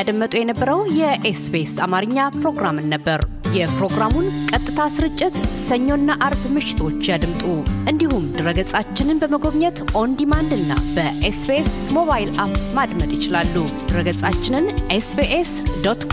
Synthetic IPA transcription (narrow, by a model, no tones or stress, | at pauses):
ad̪əmːət̪ʼujɛnəbːəɾəwjɛʔesbesamaɾɨɲːapɾo̞ɡɾamɨnːəbːəɾ | jɛpɾo̞ɡɾamunkʼət̪ʼːɨt̪ʰasɨɾɨt͡ʃʼːɪt̪səɲːo̞nːaʔaɾbmɨʃɪ̥t̪ʰo̞t͡ʃːjad̪ɨmt̪ʼuʔɨnd̪ihumd̪ɨɾəɡət͡sʼat͡ʃːɪnɨnbəməɡo̞βɲɛt̪ʔo̞nd̪imand̪ɨnːa̰bəʔesbesmo̞βajilʔapmad̪mət̪jɪt͡ʃɪlalːud̪̥ɨɾəɡət͡sʼat͡ʃːɪnɨnʔesbeʔesd̪ot̪kʰ